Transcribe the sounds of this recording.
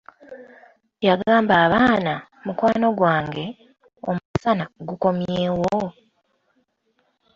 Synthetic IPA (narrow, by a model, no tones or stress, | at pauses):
jaɡaːmbaːβaːna | mukwaːno̞ɡwaːŋɡe̞ | o̰musanaɡuko̞mjeːwo